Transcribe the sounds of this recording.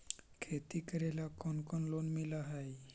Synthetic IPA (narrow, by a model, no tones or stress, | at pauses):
kʰet̪ikəɾelakɔnkɔnlonmilaɦaj